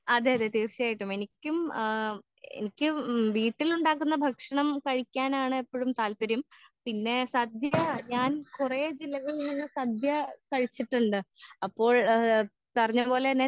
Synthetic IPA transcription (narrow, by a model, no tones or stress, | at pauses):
ɐd̪eɐðet̪iːrɕɐjaːjiʈːume̞nikʲːum | ḛnikʲːɨʋiːʈːiluɳɖaːk̬ːun̪ːɐbʱɐkʂɐɳɐmkɐɻikʲːaːnaːɳɨepːoːɻumt̪aːlpɐɾumpinːe̞sɐd̪ʱjɐɲaːnkured͡ʑilːɐɣɐɭnːiŋːɐsɐd̪ʱjɐkɐɻit͡ɕːiʈːuɳɖɨɐpːo̞ːɭ | pɐrɐɲːɐpo̞ːle̞nːe